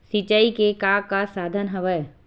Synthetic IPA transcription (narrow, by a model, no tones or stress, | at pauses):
sit͡ʃəikekaːkasaːd̪ʱənɦɐʋəj